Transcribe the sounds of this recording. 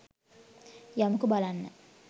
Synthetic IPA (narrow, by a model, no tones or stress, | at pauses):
jamukubalanːa̰